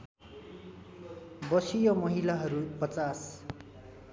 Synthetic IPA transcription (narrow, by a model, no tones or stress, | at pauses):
bʌsijʌmʌɦilaɦʌɾupʌt͡sas